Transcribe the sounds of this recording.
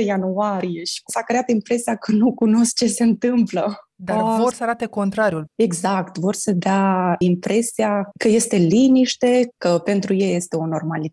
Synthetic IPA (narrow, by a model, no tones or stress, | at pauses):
januaɾije̞ʃi̥sakɾeat̪impɾe̞siakənukuno̞sk̚t͡ʃe̞se̞nt̪ɨmplə | d̪aavorsəaɾat̪eko̞nt̪ɾaɾjule̞ɡzakt̪vo̞rsəd̪eaimpɾe̞siakəje̞st̪e̞liniʃt̪e̞kəpe̞nt̪ɾujeje̞st̪e̞o̞no̞rmali